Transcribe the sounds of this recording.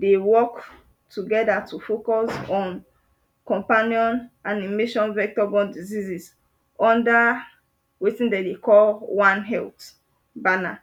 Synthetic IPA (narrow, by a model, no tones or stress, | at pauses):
dewɔk | tuɡɛdatʰufokɔsɔ̃n | kɔ̃mpaniɔ̃nanimeʃɔ̃nvɛk̚tɔbɔ̃ndizizis | ɔ̃nda | wetĩndedekɔlwãnɦɛlt | bana